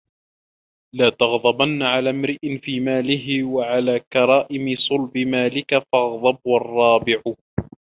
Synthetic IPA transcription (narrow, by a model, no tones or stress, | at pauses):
laːt̪ɑɣd̪ˤɑbanːaʕalaːmɾɪʔɪnfiːmaːlɪɦɪwaʕalaːkɑɾˤɑːʔɪmɪsˤʊlbɪmaːlɪkafɑɣðˤɑbɑrˤːɑːbɪʕʊ